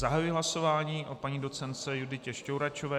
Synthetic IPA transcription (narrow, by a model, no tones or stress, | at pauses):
zaɦajujiɦlaso̞vaːɲiːʔo̞paɲiːdo̞t̪t͡sɛnt̪t͡sɛjudɪcɛʃcowɾat͡ʃovɛː